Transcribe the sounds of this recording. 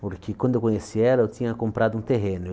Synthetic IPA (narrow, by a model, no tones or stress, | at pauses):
poɾkɪkwɐ̃nd̪ewkõɲesiɛlɐewt̪ĩɲɐkõmpɾad̪ʊũt̪eɦẽnʊ